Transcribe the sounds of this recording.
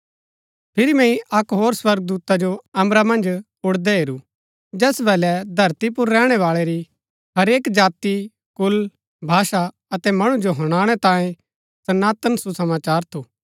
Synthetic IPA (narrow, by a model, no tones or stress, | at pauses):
pʰɪɾimɛ̃ĩʔɐkɦoːɾswɐɾɡ̚d̪uːt̪ad͡ʒoɐmɾamɐ̃nd͡ʒ | ʊɽd̪ɛɦeɾu | d͡ʒɛːsbɛːlɛd̪ʱɐɾt̪ip̬ʊɾːɛːɽ̃ɛʋaːɭɛɾi | ɦɐɾeːkd͡ʒaːt̪i | kʊl | bʱaːʃa | ɐt̪ɛmɐɽ̃ũd͡ʒoɦɐɽ̃aːɽ̃ɛt̪ãːẽ | sɐnaːt̪ənsusɐmaːt͡ʃaːɾt̪ʰuː